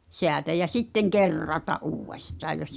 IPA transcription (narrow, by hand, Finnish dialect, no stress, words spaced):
seætæ jæ sitːeŋ kerːɑtɑʔ ʔuːwːestɑː jos